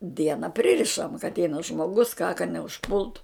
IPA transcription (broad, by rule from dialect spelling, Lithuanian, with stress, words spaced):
ˈdʲiɛnɐ ˈpʲrʲɪrʲɪʃɐm kɐ ɐtʲˈɛɪnɐ ʒmoːˈɡʊs kɑː kɐ nʲɛʊʃˈpʊlˠtʊ